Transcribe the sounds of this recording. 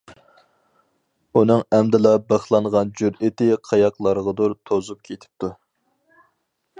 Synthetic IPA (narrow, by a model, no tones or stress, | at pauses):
unɨŋɛmd̪ɪlˠɑbəχlˠɑnʁɑnd͡ʒyɾit̪ɪqʰɑjɑqlˠɑɾəʁɑd̪uɾt̪ʰozup̚kʲʰet̪ʰɪ̥p̚t̪ʰu